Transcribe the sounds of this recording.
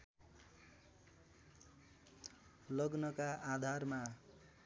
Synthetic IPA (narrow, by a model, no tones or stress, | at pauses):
lʌɡnʌkaʔad̪ʱarma